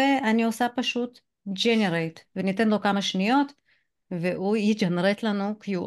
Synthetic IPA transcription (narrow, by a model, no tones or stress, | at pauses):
eʔaniosapaʃut̪ | d͡ʒeneɾejt̪venit̪enlo̞kamaʃnijo̞t̪ | veʔujid͡ʒanɾet̪lanukjuʔ